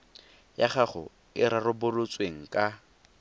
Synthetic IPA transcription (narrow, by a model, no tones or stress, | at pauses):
jaχaχʊ̰ | ɪɾarʊbʊlʊt͡sʼweŋ̩kʼa